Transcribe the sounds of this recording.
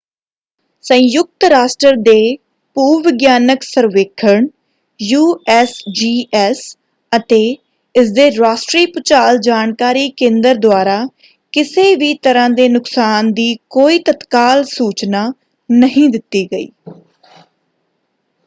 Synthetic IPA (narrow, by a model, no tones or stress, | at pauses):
sə̃jʊk̚t̪ɾaːsʈəɾd̪eː | puːʋɪɡjaːnəksəɾʋeːkʰəɳ | juːɛːsd͡ʒiːʔɛːs | ət̪eː | ɪsd̪eːɾaːʃʈɾiːpʊt͡ʃaːld͡ʒaːnkaːɾiːkẽːnd̪əɾd̪oaːɾaː | kɪseːʋiːt̪əɾãːd̪eːnʊksaːnd̪iːkoːiːt̪ət̪kaːlsuːt͡ʃnaː | nəɦĩːd̪ɪt̪ːiːɡəḭː